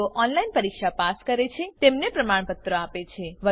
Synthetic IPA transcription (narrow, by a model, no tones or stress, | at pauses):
oʔɔnlainpəɾikʃapaskəɾet͡ʃʰet̪emnepɾəmaɳ̃pət̪ɾəapet͡ʃʰeʋə